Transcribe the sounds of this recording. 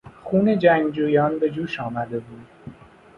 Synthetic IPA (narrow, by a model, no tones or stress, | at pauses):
xuːned͡ʒæːŋd͡ʒuːjɑːnbed͡ʒuːʃɑːmad̪ebuːd̪